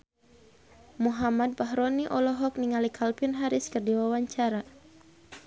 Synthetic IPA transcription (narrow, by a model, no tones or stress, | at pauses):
muɦamad̪̚baɦɾɔniʔɔlɔɦɔk̚niŋalikʰalpinɦaɾɪskərdiwawaɲt͡ʃaɾa